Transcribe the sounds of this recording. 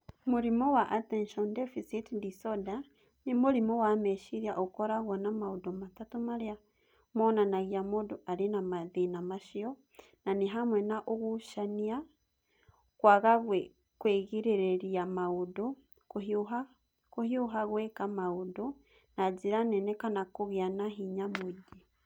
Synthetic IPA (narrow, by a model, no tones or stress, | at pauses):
muɾimowaʔatenʃondefisitdisoda | nimuɾimowameʃiɾjaʔokoɾaɣwanamaudomatatumaɾia | monanaɣiamoduaɾinamaðinamaʃio | naniɦamwenaʔoɣuʃania | kwaɣaɣwe | kweɣiɾeɾeɾiamaudo | kuhiuɦa | kuhiuɦaɣwɛkamaudo | naziɾanɛnekanakoɣjanaɦiɲamuɟi